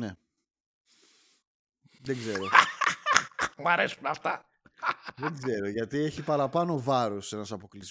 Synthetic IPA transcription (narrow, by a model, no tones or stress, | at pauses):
ne | ðeɡze̞ɾo̞ | mɐɾesunɐft̪ɐ | ðeɡze̞ɾo̞ʝɐt̪ie̞çipɐɾɐpɐno̞vɐɾose̞nɐsɐpo̞kliz